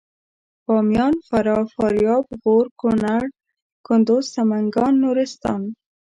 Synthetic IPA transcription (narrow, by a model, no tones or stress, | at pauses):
bɑmjɑnfaɾɑfɑɾjɑbɣoɾkʊnaɽ | kʊnd̪ʊssamaŋɡɑnːuɾɪst̪ɑ̰n